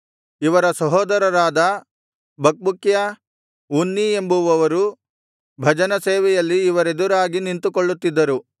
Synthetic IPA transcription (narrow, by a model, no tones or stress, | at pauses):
iʋɐɾɐsɐɦɔːd̪ɐɾɐɾaːd̪ɐ | bʱɐk̚bukjɐ | unːie̞mbuʋɐʋɐɾu | bʱɐd͡ʒɐnɐseːʋɛjɐlːiːʋɐɾe̞d̪uɾaːɡinint̪ukoɭːut̪ːid̪ːɐɾu